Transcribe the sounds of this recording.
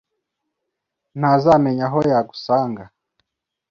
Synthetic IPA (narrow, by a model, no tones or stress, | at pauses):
nazamɛɲaɦɔjaɡusaːŋɡa